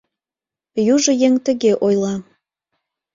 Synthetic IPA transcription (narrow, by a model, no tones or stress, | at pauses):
juʒə̆jeŋt̪ə̆ɣeʔojlˠɑ